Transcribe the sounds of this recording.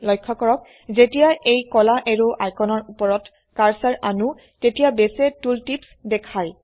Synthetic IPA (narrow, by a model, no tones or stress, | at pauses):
lɔjkʰːɔkɔɹɔk̚ | zetijaʔejkɔlaʔeɹuʔajkɔnɔɹupɔɹɔt | kaɹsaɹanu | tetijabesɛtultipsdɛkʰaj